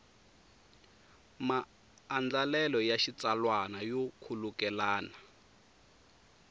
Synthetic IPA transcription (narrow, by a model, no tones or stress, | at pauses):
maː | nd͡ɮalɛlɔjaʃit͡salwanajɔkʰulukɛlaːna